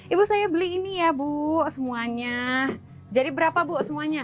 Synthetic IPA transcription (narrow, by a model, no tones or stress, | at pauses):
ibusajabəliinijabuʔsəmuaɲa | d͡ʒadibəɾapabuʔsəmuaɲa